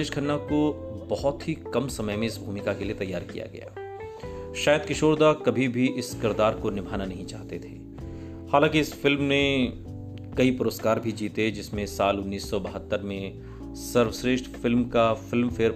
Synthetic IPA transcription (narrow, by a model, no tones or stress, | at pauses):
eːʃkʰɐnːakobɐɦɔt̪ɦikɐmsɐməjmẽɪsbʱuːmɪkakeliet̪ɐjːaːɾkija̰ɡɐ̰ja̰ː | ʃaːjəd̪̚kɪʃoːɾd̪akɐbʱibʱiʔɪskɪɾd̪aːɾkonɪbʱaːnanɐɦĩt͡ʃa̰ːɦt̪et̪ʰeː | haːlãːkiɪsfɪlmnẽ | kɐipʊɾoskaːɾbʱid͡ʒiːt̪ed͡ʒɪsmẽsaːlʊnːiːsːɔbɐɦət̪ːəɾmẽ | sɐɾʋsɾeːʃʈfɪlmkafɪlmfeːɾ